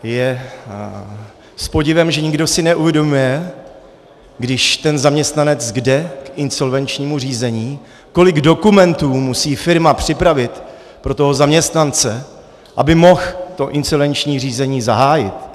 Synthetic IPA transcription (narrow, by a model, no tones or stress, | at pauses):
jɛ | spo̞ɟɪvɛmʒɛɲɪɡdo̞sɪnɛʔuvjɛdo̞mujɛ | ɡdɪʃt̪ɛnzamɲɛst̪nanɛt͡sɡdɛkɪnso̞lvɛnt͡ʃɲiːmur̝iːzɛɲiː | ko̞lɪɡdo̞kumɛnt̪uːmusiːfɪɾmapr̝̥ɪpɾavɪt̪ | pɾo̞t̪oɦo̞zamɲɛst̪nant͡sɛ | ʔabɪmo̞xt̪o̞ʔɪnsolvɛnt͡ʃɲiːr̝iːzɛɲiːzaɦaːjɪ̰t̪